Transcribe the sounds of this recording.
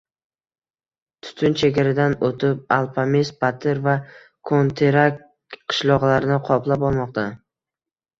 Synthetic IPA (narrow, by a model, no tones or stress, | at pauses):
t̪ʰʊ̥t̪ʰʊnt͡ʃʰeɡʲaɾad̪anot̪ʰɪp̚alˠfʰamisbat̪ʰɪɾva | kʰont̪ʰeɾakʲ | qʰɨ̥ʃlˠɒʁlˠaɾɪnɪqʰɒplˠapɒlˠmɒq̚t̪ʰa